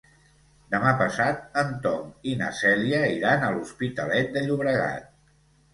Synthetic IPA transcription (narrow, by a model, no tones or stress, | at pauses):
d̪əmapəsat̪̚ənt̪ɔŋina̰sɛliəiɾanəluspit̪əlɛt̪̚d̪əʎuβɾəɣa̰t̪̚